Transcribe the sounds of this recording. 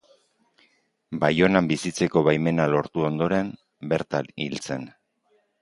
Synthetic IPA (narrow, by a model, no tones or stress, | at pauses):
bajo̞nambisit͡se̞ko̞βajme̞nalo̞ɾt̪uo̞nd̪o̞ɾe̞m | beɾt̪alḭlt͡se̞n